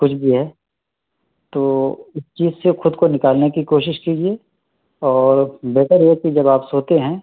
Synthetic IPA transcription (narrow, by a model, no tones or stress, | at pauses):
kʊt͡ʃʰbʱiɦɛː | t̪oːɪst͡ʃiːzsexʊd̪konɪkaːlnekikoːʃɪʃkiːd͡ʒie | ɔːɾbɛːʈəɾjɛkid͡ʒɐbaːpsoːt̪eɦɛ̃ː